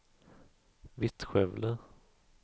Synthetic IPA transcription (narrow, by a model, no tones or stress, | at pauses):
vɪt̪ɧɛvlə